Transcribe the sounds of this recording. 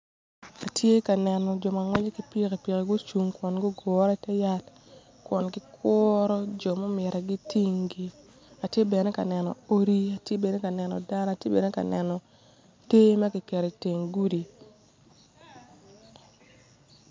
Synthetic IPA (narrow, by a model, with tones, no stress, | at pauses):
a˨tje˦ka˨nɛ˨nɔ˨d͡ʒɔ˨ma˨ŋwɛ˦ɲe˦ki˨˦pi˦ke˨pi˨ke˨ɡʊ˦t͡ʃu˨ŋkwɔ˨nɡɔ˦ɡɔ˨ɾa˦tɛ˦ja˦t | kwɔ˨nɡɪ˦kʰɔ˦ɾɔ˦d͡ʒɔ˨mɔ˦mɪ˨ɾa˨ɡi˦ti˦ŋɡi˦ | a˨tje˦bɛ˨ne˦ka˨nɛ˨nɔ̰˨o˦ɾi˦a˨tje˦bɛ˨ne˦ka˨nɛ˨nɔ̰˨da˦n˦a˨tje˦bɛ˨ne˦ka̰˨nɛ˨nɔ˨ | te˦ma˦kɪ˨kɛ˨ɾe˨te˨ŋɡu˦di˨